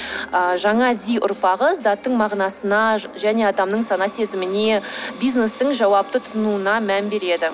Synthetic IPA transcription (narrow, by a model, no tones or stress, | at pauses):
əʒɑɴɑzijʔʊ̰ɾpɑʁəzɑt̪ːəɴmɑʁnɑsənɑʒæne̞ɑd̪ɑmnəɴsɑnɑse̞zɪmɪne̞bijzne̞st̪əɴʒɑwɑp̚t̪ət̪ʰʊ̥t̪nuənɑmænbe̞ɾe̞d̪ɪ